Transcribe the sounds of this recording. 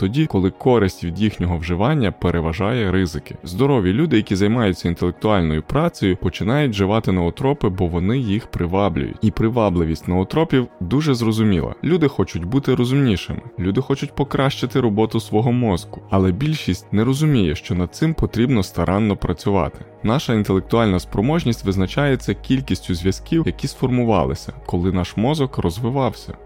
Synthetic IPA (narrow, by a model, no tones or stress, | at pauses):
t̪ɔdʲikɔlˠɪkɔɾɪsʲtʲʋʲid̪jixnʲɔɦɔwʒɪʋɑnʲːɐpeɾʔeʋɐʒɑjɛɾɪzɪkɪ̥zd̪ɔɾɔʋʲjilʲud̪ɪjɐkʲizɐjmɑjʊtʲt͡sʲːɐint̪elˠek̚t̪ʊɑlʲnɔjʊpɾɑt͡sʲɔjʊpɔt͡ʃɪnɑjʊtʲʒɪʋɑt̪ɪnɔɔt̪ɾɔpɪbɔʋɔnɪjixpɾʔɪʋɑblʲʊ̰jʊ̰tʲipɾɪʋɑblˠɪʋʲisʲtʲnɔɔt̪ɾɔpʲiwd̪uʒɛzrɔzʊmʲḭlˠɐ̰lʲud̪ɪxɔt͡ʃʊtʲbut̪ɪɾɔzʊmnʲiʃɪ̰mɪlʲud̪ɪxɔt͡ʃʊtʲpɔkɾɑʃt͡ʃɪt̪ɪɾɔbɔt̪ʊsʋɔɦɔmɔzɡʊɐlˠɛbʲilʲʃisʲtʲnɛɾɔzʊmʲijɛʃt͡ʃɔnɐd̪̚t̪sɪmpɔt̪ɾʲibnɔst̪ɐɾʔɑnːɔpɾɐt͡sʲʊʋɑ̰t̪ɪ̥ | nɑʃɐint̪elˠek̚t̪ʊɑlʲnɐspɾɔmɔʒnʲisʲtʲʋɪznɐt͡ʃajet͡sʲːɐkʲilʲkʲisʲtʲʊzʲʋʲjɐskʲiwjɐkʲisfɔrmʊʋɑ̰lˠɪ̰sʲɐkɔlˠɪnɑʃmɔzɔkrɔzʋɪʋɑwsʲɐ̰